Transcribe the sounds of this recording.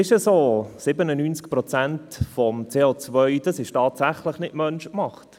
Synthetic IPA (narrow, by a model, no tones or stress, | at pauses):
ɪʃəsoːsɪbənənynt͡skpɾɔt͡sæntfɔmt͡seːot͡svœʏd̥ɑsɪʃtɑːtsæχləχnɪtmœnʃkmɑχt